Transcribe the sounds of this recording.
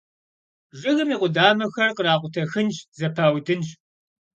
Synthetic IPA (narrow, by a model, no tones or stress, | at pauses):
ʒɨɣɨmiːqʷʊdaːmɐxɐrqəɾaːqʷʊtʰɐxɨnʃzɐpʰaːwdɨnɕ